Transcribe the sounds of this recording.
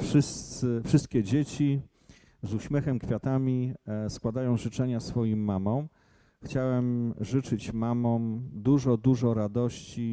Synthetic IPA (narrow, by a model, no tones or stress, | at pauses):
fʂɘst̪sɘfʂɘst̪̚kʲɛd͡ʑet͡ɕi | zuɕmʲjɛxɛmkfʲjat̪amʲiskwad̪ajɔ̃w̃ʐɘt͡ʂɛɲasfɔjimːamɔ̃w̃ | xt͡ɕawɛmʐɘt͡ʂɘt͡ɕmamɔ̃d̪uʐɔd̪uʐɔɾad̪ɔɕt͡ɕi